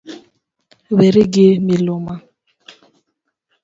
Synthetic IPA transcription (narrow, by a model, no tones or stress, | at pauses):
βeɾiɡemiloma